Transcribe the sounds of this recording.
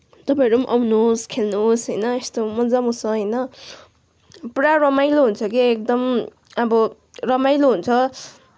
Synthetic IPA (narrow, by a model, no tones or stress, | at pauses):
t̪ʌpãʌɾumʔa̰wnoskʰelnosɦʌjnʌest̪omʌd͡zamusʌɦʌjnʌ | pɾarʌmajloɦunt͡sʰʌkiek̚d̪ʌm | ʌbʌ | rʌmajloɦunt͡sʰʌ